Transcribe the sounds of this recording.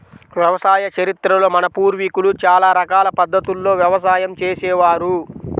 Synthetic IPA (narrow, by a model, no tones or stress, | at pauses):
ʋjɐʋɐsaːjɐt͡ʃɐɾit̪ɾɐlo̞ːmɐnɐpuːɾʋikulut͡ʃaːlaːɾɐkaːlɐpɐd̪ːɐt̪ulːo̞ːʋjɐʋɐs̬aːjɐmt͡ʃeːsɛːʋaːɾu